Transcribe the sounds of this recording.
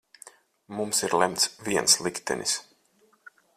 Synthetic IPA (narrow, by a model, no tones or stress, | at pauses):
mumsiɾlˠɛmt̪sviɛnslˠikt̪ɛ̰nʔḭs